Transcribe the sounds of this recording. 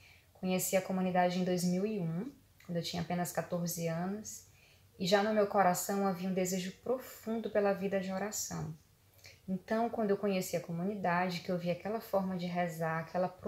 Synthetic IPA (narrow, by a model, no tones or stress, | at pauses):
kõɲesiɐkomũnid̪ad͡ʒɪẽj̃d̪ojzmiwiũ | kwɐ̃d̪ʊewt͡ʃĩɲɐapẽnɐskat̪oɾzɪɐ̃nʊs | ɪʒanʊmewkoɾasɐ̃w̃aviɐũd̪ezeʒʊpɾofũnd̪ʊpelɐvid̪ɐd͡ʒɪɔɾasɐ̰̃w̃ | ẽnt̪ɐ̃w̃kw̃nd̪ʊewkõɲesiɐkomũnid̪ad͡ʒɪkɪewviakɛlɐfɔɾmɐd͡ʒɪɦɛzaɾakʰɛlɐpɾ